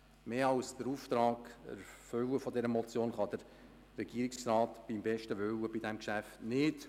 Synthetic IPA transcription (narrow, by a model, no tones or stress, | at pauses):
meːɑwsd̥̪əɾuːft̪ɾɑːɡ̥æ̰ɾfʏwəfɔdɛɾəmɔt͡sjoːnχɑd̥̪əɾː | ɛɡ̥iːɾikksɾɑːt̪b̥imbɛʃtəʋʏwəbidɛmkʃæftnɪt